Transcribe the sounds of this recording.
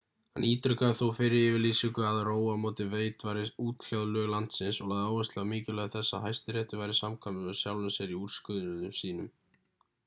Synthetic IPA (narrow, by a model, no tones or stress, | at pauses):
hanʔiːt̪ɾʏkaθowfɪɾɪɪvɪliːsiŋkʏaðroːwamoːt̪ɪveːjt̪vaɾɪuːt̪l̥jawðlœːɣlan̥t̪sɪnsɔlaːðaːwɛst̪lɪamɪːcɪlœɣaθɛsːaɦajst̪ɪɾɛːht̪ʏvajɾɪsamkʰamɪʏ̥sjawlʏsɛɾiuːɾskʏðɾʏnʏmsiːnʏm